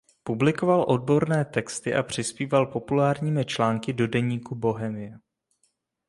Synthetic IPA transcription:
publɪko̞valʔo̞d̚bo̞ɾnɛːt̪ɛkst̪ɪʔapr̝̥ɪspiːvalpo̞pulaːɾɲiːmɪt͡ʃlaːŋkɪdo̞dɛɲiːkubo̞ɦɛmɪjɛ

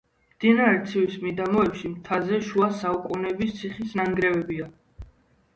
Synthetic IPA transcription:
md̪̥inaɾɛɾt̪sʰiwismid̪amɔɛpʃimt̪ʰazɛʃuasaukʼunɛbist̪sʰiχisnaŋɡɾɛvɛbia

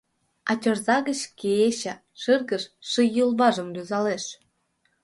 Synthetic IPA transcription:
ɑtʲorzɑɣət͡ɕkeeɕə̆ | ʃɨrɣəʃːɨjulˠbɑʒəmlʲyzɑleʃ

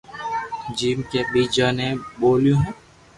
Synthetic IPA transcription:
d͡ʒiːmkebiːd͡ʒaneboːljũɦɛ̃ː

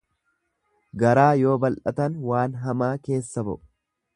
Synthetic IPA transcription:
ɡɐɾaːjo̞ːbɐlʔɐt̪ɐnwaːnɦɐmaːke̞ːsːɐbɐ̰ʔʊ̥

